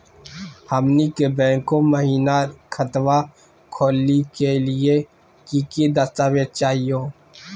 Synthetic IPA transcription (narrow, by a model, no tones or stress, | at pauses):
hɐmnikebɛ̃ːŋkõməɦiːnakʰɐt̪ʋa | kʰoːlːikelie | kiːkid̪ɐst̪aːʋet̪̚t͡ʃaːɦijõː